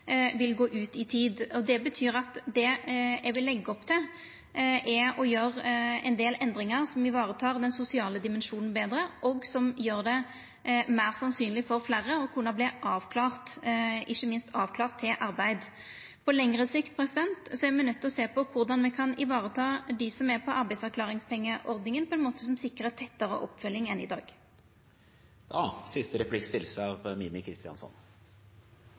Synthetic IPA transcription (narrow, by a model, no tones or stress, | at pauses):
ʋɪlɡoːʔʉːt̪ɪt̪ʰiːd̪ɔd̪ɛbət̪ʰyːɾɑt̪d̪ɛjæʋɪlːɛɡːəɔpːt̪ʰɪ | ʔɛɔjøːɾɛ̰nd̪eːlɛnd̪ɾɪŋɑʁsɔmɪʋɑːɾət̪ʰɑːʁd̪ɛnsʊsɪɑːləd̪ɪmɛnʂuːnn̩beːd̪ɾəʔɔɡsɔmjøːʁd̪ɛ | mæːʁsɑnsyːnlɪfɔɾflæːʁːəɔkʰuːɳɑblɪʔɑːʋkʰlɑːʁt̪ʔɪçːəmɪnst̪ɑːʋkʰlɑːʁt̪ʰːɪlʔɑʁbæɪd̪ | pʰɔlɛŋʁəsɪkt̪̚pʰʁɛsɪd̪ɛnt̪sɔɛʁmɛɪnœt̪ʰːɔseːpʰɔkʰʊʁd̪ɑnmɛkʰɑnɪʋɑːʁət̪ʰɑːd̪ɪsɔmɛpʰɔʔɑɾbæɪdsɑʁklɑːʁɪŋspɛŋːəʔɔʁd̪nɪŋənpʰɔɛnmoːt̪əsɔmsɪkːʁət̪ʰɛt̪ːəʁə̰ʔɔ̰pːfœlːɪŋɛnɪ̰d̪ɑ̰ːɡ̥ | d̪ɑːsɪst̪əɾɛplɪkst̪ɪlːsəɑʋmiːmɪkʰɾɪst̪ɪɑ̰nsɔ̰n